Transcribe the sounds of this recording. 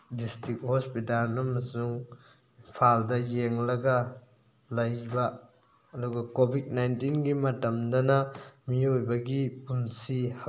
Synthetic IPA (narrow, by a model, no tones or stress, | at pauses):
distik̚hospitalnɐmɐsuŋ | ipʰaldɐjeŋlɐɡɐ | lɐjbɐː | duɡɐkobʱit̚najntinɡimɐtɐmdɐnɐmiojbɐɡipunsiha